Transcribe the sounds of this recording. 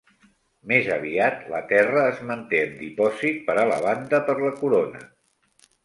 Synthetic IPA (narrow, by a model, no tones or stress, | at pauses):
mezəβ̞iat̪lə̰t̪ɛrəːzmənt̪eəmd̪ipɔzit̪̚pəɾələ̰βand̪əpəɾləkuɾonə̰